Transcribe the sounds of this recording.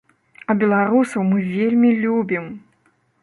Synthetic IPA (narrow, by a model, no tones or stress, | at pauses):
ɐbʲɛlˠaɾusɐwmɨvʲelʲmʲilʲubʲim